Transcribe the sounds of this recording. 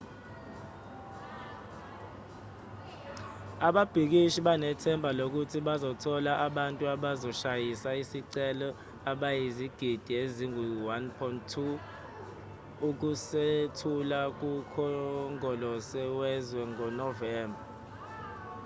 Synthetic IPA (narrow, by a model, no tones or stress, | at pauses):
aɓab̥ʱik̬iʃiɓanɛtʰɛmbʱalok̬utʰiɓazɔtʰɔlaʔaɓantʼuaɓazɔʃajisaisiǀɛlɔ | aɓajiziɡ̥ʱid̥ʱieziŋuwanpʰɔnttʰu | uk̬usetʰulak̬ukʰɔŋɔlɔsɛwɛzwɛŋɔnɔvɛːmbʱa